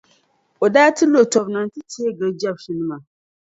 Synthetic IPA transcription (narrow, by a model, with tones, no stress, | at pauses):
o˨daː˦tɨ˦lo˨tɔ˨bna˨n˦tɨ˦ti˦e˦ɡɨ˨d͡ʒa˦bʃi˨nɨ˦ma˨